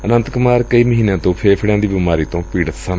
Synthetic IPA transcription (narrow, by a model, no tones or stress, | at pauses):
ənə̃nt̪kʊmaːɾkəiːməɦiːnãːt̪õːpʰeːpʰɪɽãːd̪iːbimaːɾiːt̪õːpiːɽət̪sən